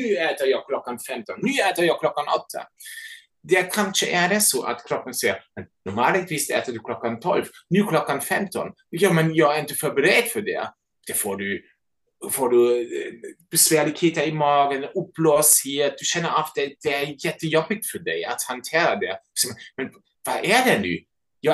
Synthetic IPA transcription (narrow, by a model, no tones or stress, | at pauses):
nʉːɛːt̪əɾjɑːɡkʰlɔkːanfɛmt̪ɔnːʉːɛːt̪əɾjɑːklɔkːanɔ̰t̪ʰːa̰ | d̪ɛkʰanʂəʔɛɖɛsoːʔa̰t̪kʰɾɔpːənsɛjəmɛnnɔɾma̰ːlɪt̪ʰviːsɛ̰ːt̪ədʉkʰlɔkːant̪ʰɔ̰lvnʉːkʰlɔkːanfɛmt̪ɔ̰n | jɑːmɛnjɑːɡɾɪnt̪əfœɾbəɾed̪fœɖɛ̰ | d̪̥ɛfoːɖʉ | foːɖʉ | b̥ɛsvæːɭɪɡheːt̪əɾɪmɑːɡənʊpːløːsheːt̪̚d̪̥ʉɕɛnːəɾaftd̪ɛd̪̥ɛɛɾjɛt̪ːəjɔbːɪɡ̚t̪fœɖɛjat̪hant̪ʰeːɾad̪ɛsɛmɛnmɛn | vaʔædɛnʉ̰ː | jɑ